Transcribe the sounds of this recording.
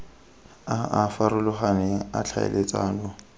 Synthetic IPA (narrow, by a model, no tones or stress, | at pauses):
aafaɾʊlʊχanɪat͡ɬʰa̰ɪ̰lʔet͡sʼaːlɔ